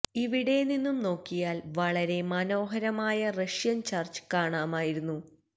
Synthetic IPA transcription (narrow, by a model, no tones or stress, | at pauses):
iʋiɽeninːumno̞ːkːijaːlʋɐɭɐɾe̞mɐno̞ːɦɐɾɐmaːjɐrɐʂjɐnt͡ɕaːrt͡ɕɨ̥kaːɳaːmaːjiɾunːu